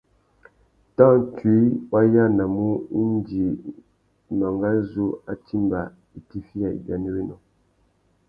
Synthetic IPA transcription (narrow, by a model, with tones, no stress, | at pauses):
tã˦˨ti˨˦wa˦ja˦˨na˨mu˦i˦n˦d͡ʒi˨ | nɔ˨ŋɡa˦zu˦a˦ti˦mba˨ | i˨ti˨fi˦ja˨ḭ˨ɡa˨ni˦wi˦nɔ˨